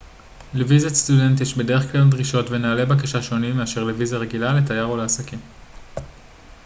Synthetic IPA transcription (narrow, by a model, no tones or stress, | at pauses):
levizast̪ude̞nt̪jiʃbe̞de̞ʁeχklaldʁiʃo̞tve̞naːle̞bakaʃaʃo̞nimːeaʃe̞ʁlevizaʁe̞ɡilale̞tajaʁoleasakim